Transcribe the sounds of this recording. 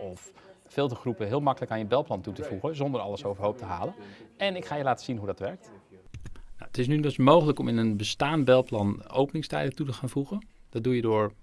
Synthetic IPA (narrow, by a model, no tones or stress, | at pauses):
ɔf | fɪːlˠtəχrupəɦɪːlˠmɑkələkaːnjəbɛlˠplɑntutəvuχənzɔndəɹɑ̰ləsowvərɦowp̚təɦaːlənɛnɪkχaːjəlaːtə̥z̥inɦudɑtʋɛɹk̚t | naətɪs̬nydʏsmowχələkɔmɪnənbəstaːnbɛlˠplɑno̰wpənɪŋstɛjdətutəχaːnfuɣənd̥ɑt̚dujədʊːɹ